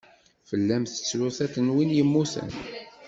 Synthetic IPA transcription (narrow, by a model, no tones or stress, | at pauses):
fəlːæmθə̥t͡sːlʊθæθənwinjəmːuθə̰n